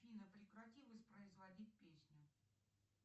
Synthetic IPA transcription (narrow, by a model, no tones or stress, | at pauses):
fʲinəpɾʲɪkɾɐtʲilˠəsʲpɾəɪzvɐdʲit̚ʲpʲesʲnʲʊ